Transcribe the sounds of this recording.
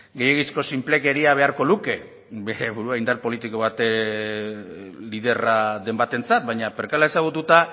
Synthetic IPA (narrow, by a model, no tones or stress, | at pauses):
ɡe̞jeɣisko̞simple̞keɾiaβ̞e̞aɾko̞luke̞ | beɾeβuɾuaind̪aɾpo̞lit̪iko̞β̞at̪e | liðe̞raðe̞mbat̪e̞nt͡sat̪̚bajɲape̞ɾkalae̞saɣ̞ut̪ut̪a